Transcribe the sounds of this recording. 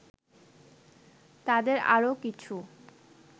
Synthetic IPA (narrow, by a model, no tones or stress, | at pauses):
t̪ad̪eɾa̰ɾokit͡ɕʰu